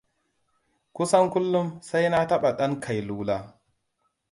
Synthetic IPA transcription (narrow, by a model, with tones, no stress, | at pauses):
kʷʊ˦sɐ˦ŋkʷʊ˦lːʊ˦msa˦jna˦tɐ˦ɓa˨ɗɐ˦ŋkʰa˨jluː˦laː˦